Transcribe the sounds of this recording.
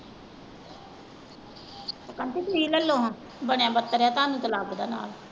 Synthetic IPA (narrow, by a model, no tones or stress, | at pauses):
t̪akənt̪et̪uiːləlːõːɦ | bəɳjãːbət̪ːəɾjaːt̪ãːnũːt̪əlaːbd̪a̰ːna̰ːl